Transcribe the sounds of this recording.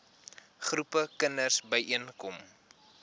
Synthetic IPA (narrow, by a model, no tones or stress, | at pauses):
χrupəkənərsbəjʔiənkɔm